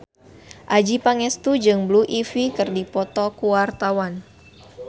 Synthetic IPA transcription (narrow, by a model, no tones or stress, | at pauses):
ʔad͡ʒipaŋɛst̪ud͡ʒɨŋbluʔifikɨrdipɔt̪ɔkuwart̪awan